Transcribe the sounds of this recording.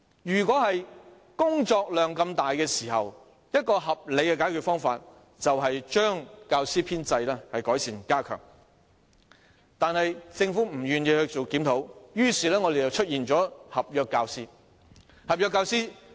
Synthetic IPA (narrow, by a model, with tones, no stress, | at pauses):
jyː˨˩kʷɔː˨˥hɐ˨j | kʊ˥ŋt͡sɔː˧k̚lœː˨˩ŋkɐ˧mt̪aː˨jkɛː˧siː˨˩hɐ̰˨w | jɐ˥t̚kɔː˧ɦɐ˨p̚le˨˧jkɛː˧kaː˨˥kʰy˨t̚fɔː˥ŋfa̰ː˧t̚ | t͡sɐ˨wɦɐ˨jt͡ʃœː˥ŋkaː˧wsiː˥pʰiː˥nt͡sɐ˧jlɛː˥hɐ˨jkɔː˨˥jsiː˨˩nkaː˥kʰœ̰ː˨˩ŋ | t̪aː˨˧nhɐ˨jt͡sɪ˧ŋfuː˨˥m̩˨˩ɥyː˨˩njiː˧hɵ˧ɥt͡so˨wkiː˨˥mnt̪ʰo˨˥wjyː˥siː˨˩lɛː˥ŋɔ˨˧d̪e˨jt͡sɐ˨˩wt͡ʃʰɵ˥t̚jiː˨nt͡sɔː˨˥hɐ˨p̚jœː˨kːaː˧wsiː˥ | hɐ˨p̚jœː˧kːaː˧wsiː˥